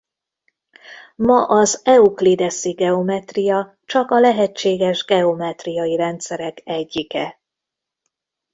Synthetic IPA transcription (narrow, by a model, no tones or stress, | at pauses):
mɒʔɒzɛuklid̪ɛsiɡɛo̞mɛt̪rijɒ | t͡ʃɒkɒlɛɦɛt͡ʃːeːɡɛʒɡɛo̞mɛt̪rijɒiɾɛnt̪sɛɾɛkɛɟːikɛ